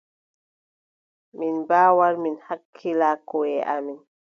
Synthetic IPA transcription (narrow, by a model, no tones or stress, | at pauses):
minbaːwaɾminhakʰːilaːkɔɛʔa̰min